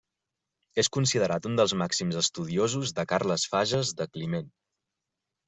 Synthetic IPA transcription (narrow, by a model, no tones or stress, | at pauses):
eskunsiðəɾat̪und̪əlˠzmaksimzəst̪uðiozuzðəkaɾləsfaʒəzðəklimen